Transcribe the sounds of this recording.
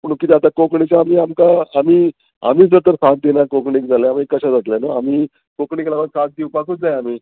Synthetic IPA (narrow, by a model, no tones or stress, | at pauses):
məɳ̃ũkːit̪ɛat̪akokɳit͡ɕaːmiːamkaːmiː | a̰miːd͡zət̪əɾsãt̪̚d̪enakokɳik̚d͡zʱalaamiːkːəɕad͡zat̪lanoamiː | kokɳiklaʋəɡsãt̪̚d̪iwpakuːt͡sd͡zajamiː